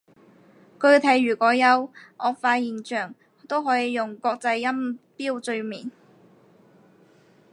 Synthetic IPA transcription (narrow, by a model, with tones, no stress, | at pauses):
kɵ˧ɥt̪ʰɐ˨˩jɥyː˨˩kɔː˨˥jɐ˨˧wʔɔː˨˧faː˧jiː˨˩nt͡ʃœː˨˩ŋ | t̪o˥wɦɔː˨˥jiː˨˧jʊ˨ŋkɔː˧k̚t͡sɐ˧jːɐ˥mpiː˥wt͡sɵ˧ɥmiː˨˩n